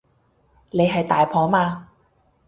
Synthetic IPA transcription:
ne˨˧jɦɐ˨jt̪aː˨jpʰɔː˨˥maː˧

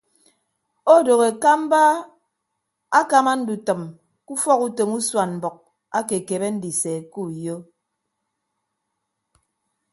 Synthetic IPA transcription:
o˦˨do˨ɣe˨ka˦m̩˦ba˦ | a˦ka˦ma˦n̩˦du˨tɨ˨m | ku˦fɔ˦ku˦to˨mu˦swa˨nm̩˨bɔ˨k̚ | a˦ke˨ke˨βe˦n̩˦di˨se˨ku˦jo˦

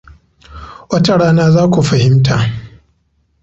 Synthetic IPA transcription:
wɐ˦ta˨ɽaː˦naː˦zaː˦kʷu˨ɸɐ˨hɪ˦mtʰa˨ʔ

